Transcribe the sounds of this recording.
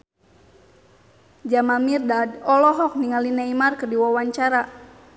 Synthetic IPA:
d͡ʒamamirdadɔlɔɦɔk̚niŋalinaimarkɨrdiwawaɲt͡ʃaɾa

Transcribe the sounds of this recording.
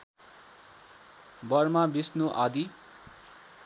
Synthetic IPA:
bʌrmabisnuʔad̪i

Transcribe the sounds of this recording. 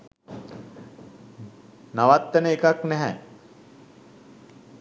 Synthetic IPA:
naʋat̪ːənəekaknɛɦɛ

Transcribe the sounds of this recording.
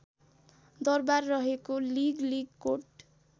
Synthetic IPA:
d̪ʌrbarːʌɦekoliɡliɡkoʈ

